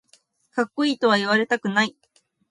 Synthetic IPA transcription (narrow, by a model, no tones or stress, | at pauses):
kakːoiːt̪o̞β̞aiβaɾe̞t̪akɯ̟nai